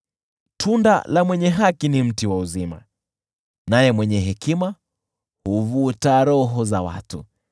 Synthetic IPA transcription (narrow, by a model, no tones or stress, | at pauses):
tʰunda̰lamwɛɲɛɦakinim̩tiwauzima̰ | najɛmwɛɲɛɦɛkima | huvutaɾɔɦɔzawa̰tṵ